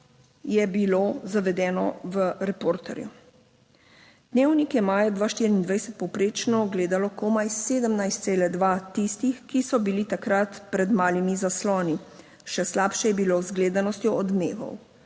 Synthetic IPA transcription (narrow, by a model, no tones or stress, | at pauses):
jɛbilozaʋɛd̪ɛːnɔʋəɾɛpoːɾt̪ɛ̰ɾju | d̪̥neːwnikjɛmaːjad̪ʋaːʃt̪iːɾiiːnd̪ʋajsɛt̪̚pɔwpɾeːt͡ʃnɔːɡleːd̪alɔkomajseːd̪əmnajst̪seːlɛd̪ʋat̪ist̪ixkisɔbilit̪akɾat̪pɾɛd̪maːlimizaslɔːni | ʃɛslaːpʃɛjɛbilowzɡleːd̪anɔst̪jɔɔd̪neːʋɔ̰w